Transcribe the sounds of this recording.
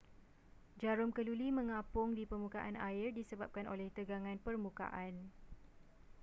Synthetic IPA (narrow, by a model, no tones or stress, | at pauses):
d͡ʒaɾʊmkəlulimə̃ŋãpʊŋdipərmũkaʔanaɪrdisəbap̚kanʔo̰lɛht̪əɡaŋãnpərmũka̰ʔan